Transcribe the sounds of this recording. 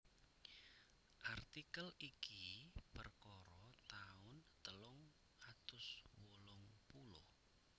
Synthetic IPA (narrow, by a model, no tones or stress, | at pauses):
ʔart̪ikəlikipərkɔɾɔt̪aʊnt̪əlʊŋ | at̪ʊswolɔŋpulʊ̰h